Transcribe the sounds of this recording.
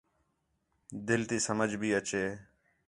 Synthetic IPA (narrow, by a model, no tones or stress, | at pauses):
d̪ɪlt̪iːsəməd͡ʒbʱiːət͡ʃeː